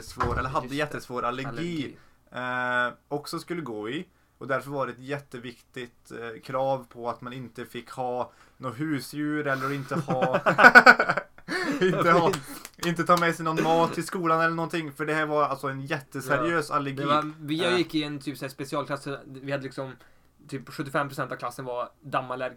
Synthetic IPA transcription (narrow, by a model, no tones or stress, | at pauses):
əsvoːɾɛlːəɾɦad̪ːəjɛt̪ːəsvoːɾalːəɾlɡiː | ɔksɔskɵlːəɡoːɪ | ɔd̪æɾfœɾvɑːɾəɛt̪jɛt̪ːəvɪkt̪ɪt̪kʰɾɑːvpʰɔat̪manɪnt̪əfɪkːhɑː | noːɦʉ̟ːsjʉ̟ːɾɛlːəɾɔɪnt̪əhɑː | ɪnt̪əhɪnt̪ət̪ʰɑːmɛsɛjnɔnmɑːt̪ːɪskuːlanɛlːəɳɔnt̪ʰɪŋːfœɖɛhæːɾvaɾalsɔɛnjɛt̪ːəsɛɾɪøːsa̰lːɛɡvijajɪkːɪnːt̪ʰyːpsɛæspɛsɪɑːlklasːəvɪhad̪ːəlɪksɔm | t̪ʰyːpɧɵt̪ːɪfɛmːpʰɾʊsɛnt̪avkʰlasːənvad̪amːaɭɛɾ